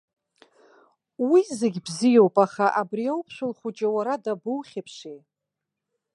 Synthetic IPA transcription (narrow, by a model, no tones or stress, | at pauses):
wizɪɡʲbzijowpʼaχaʔabriawpʰʃʷᶣʊlχʷut͡ʃʼawaɾadabuwχʲapʰʂej